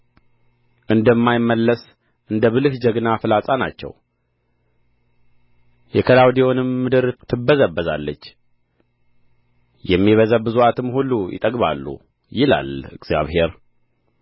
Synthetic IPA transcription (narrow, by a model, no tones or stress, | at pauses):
ʔɨnd̪əmːajɪmːəlːəs | ʔɨnd̪əβɨlɨhd͡ʒəɡnafɨlasʼana̰t͡ʃːɛ̰w | jɛkʰəlawd̪ewonɨmːɨd̪ɨɾt̪ʰɨbːəzəbːəza̰lːət͡ʃː | jɛmːiβəzəbɨzuat̪ʰɨmhulːujɪ̰t̪ʼəɡba̰lːṵ | jɪla̰lɨɡzja̰βhe̞ɾ